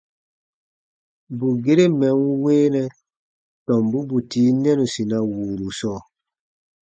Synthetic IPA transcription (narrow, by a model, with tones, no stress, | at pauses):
bu˨ɡe˦ɾe˦mɛ̃˨˦ŋu˦weː˦nɛ̃˦ | tɔ̃˨mbu˦bu˨tiː˨˦nɛ̃˦nũ˨si˨nã˨wuː˨lu˨sɔː˦˨